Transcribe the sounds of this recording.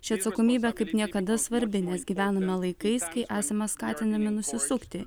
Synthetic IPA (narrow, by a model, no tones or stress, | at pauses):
ʃʲɪɐt̪sɐkoːmʲiːbʲɛkɐɪpnʲiɛkɐd̪ɐsʋɐɾʲbʲɪnʲɛsɡʲiːʋʲæːnoːmʲɛlˠɐɪkɐɪskɐɪʔæːsʲɐmɐskɑːt̪ʲɪnd̪ɐmʲɪnʊsʲɪsʊkt̪ʲɪ